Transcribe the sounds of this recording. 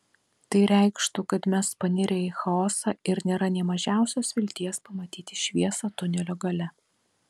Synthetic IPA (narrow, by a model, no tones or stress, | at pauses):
t̪ɐɪɾʲæˑɪkʃt̪ukɐt̪mʲɛspɐnʲɪɾʲeɪxɐɔːsɑːɪɾnʲeːɾɐnʲɛmɐʒʲæˑʊsʲoːsʋʲɪlʲt̪ʲiɛspɐmɐt̪ʲiːt̪ʲɪʃʲʋʲiɛsɐːt̪ʊnʲɛlʲoːɡɐlʲɛ